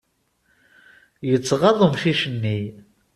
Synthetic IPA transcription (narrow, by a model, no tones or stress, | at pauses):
jət͡sːʁɑðˤəmʃiʃənːi